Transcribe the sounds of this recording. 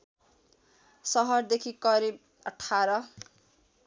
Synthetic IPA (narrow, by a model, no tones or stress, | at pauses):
sʌɦʌrd̪ekʰikʌɾib̚ | ʌʈʰːaɾʌ